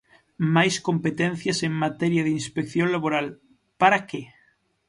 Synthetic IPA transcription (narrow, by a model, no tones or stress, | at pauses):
majskõmpet̪en̟θjaseŋmat̪eɾjaðeinspekθjonlaβoɾal | paɾake